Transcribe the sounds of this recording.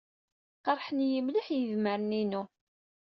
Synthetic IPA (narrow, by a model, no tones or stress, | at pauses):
qɑɾˤħənjəmliħjəðməɾəninu